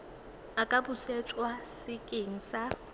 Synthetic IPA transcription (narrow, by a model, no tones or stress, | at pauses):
akʼabʊset͡ʃʼwasɪkʼeŋ̩sa